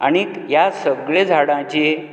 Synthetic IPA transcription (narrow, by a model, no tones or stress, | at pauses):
aɽ̃i | jasəbɡɭed͡zʱaɽãt͡ɕe